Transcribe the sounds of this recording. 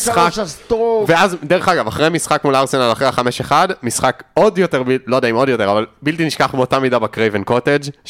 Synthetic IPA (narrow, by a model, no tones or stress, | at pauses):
sχakt̪veazd̪eʁeχaɡavaχʁejmisχakmulaʁsenalaχʁeaχameʃeχadmisχako̞djo̞teʁbilod̪aimo̞djot̪e̞ʁavalbilt̪iniʃkaχmeotamidabakʁevenko̞ted͡ʒ